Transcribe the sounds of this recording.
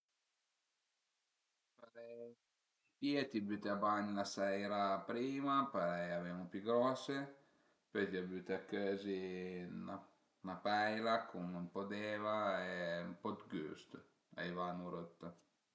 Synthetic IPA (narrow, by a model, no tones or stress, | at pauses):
paɾɛ | piːet̪ibyːt̪eabaɲlasɛjɾapɾiːmapaɾɛjavemupyɡɾɔse | pøt̪iabyt̪eakøːzina | napɛjlakʰumnumpod̪eːvaɛumpɔd̪ɡy̰ːst̪ | a̰jvanuɾot̪ːa